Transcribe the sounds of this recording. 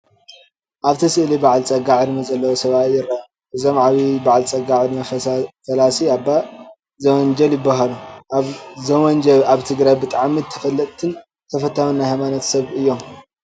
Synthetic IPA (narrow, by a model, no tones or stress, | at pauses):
ʔaβt̪ʰɐsɨʔlibaʕlt͡sʼɐɡaʕɨɾɨmɐzʼɐlːɐwosɐβatjɪɾɐa | ʔɨzo̞mʕaβibaʕlt͡sʼɐɡaʕɾmɐɐfɐlasiabːa | zɐwɔnd͡ʒɐljɪbːaɦaluʔaβzɐwɔnd͡ʒɐaβt̪ʰɨɡɾajbɨt̪ʼaʕmit̪ʰɐ̥fɐlːɐt̪ʼt̪ʰːɨn | t̪ʰɐfɐt̪ʰːawunːajhajmanɐt̪sɐβɨjːo̞m